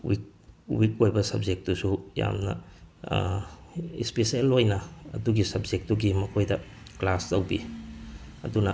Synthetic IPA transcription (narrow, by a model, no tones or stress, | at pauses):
wik̚ | wikojbɐsɐb̚d͡ʒek̚tːusuja̰mnɐ̰ | ḭspeselojnɐɐ̰duɡisɐb̚d͡ʒek̚tːuɡimɐkʰojdɐ | klastɐwbḭ | ɐ̰dunɐ